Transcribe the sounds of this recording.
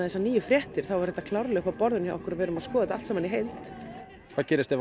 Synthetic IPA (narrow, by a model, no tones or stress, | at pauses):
ðθɛsaniːjʏfɾjɛht̪ɪɾ̥θawvaɾ̥θɛ̥t̪akʰlawɾlɛɣkapɔɾðʏnjaɔhkʏɾavɛːɾʏmaðskɔːðɪt̪al̥t̪sɛːmːaniɦejlt̪ | θaːcɛːɾɪst̪ɛv